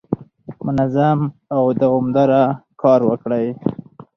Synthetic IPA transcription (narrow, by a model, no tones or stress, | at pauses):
mʊnazamawd̪əʊmd̪aɾakʰɑɾwəkɽaj